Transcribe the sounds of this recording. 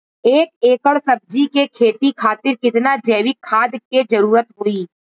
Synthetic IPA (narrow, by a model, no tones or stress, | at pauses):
eːkeːkəɭsɐb̚d͡ʒikekʰeːt̪ikʰaːt̪ɪɾkɪt̪nad͡ʒɐːʋɪkʰːaːd̪ked͡ʒɐɾuːɾət̪ɦoːiː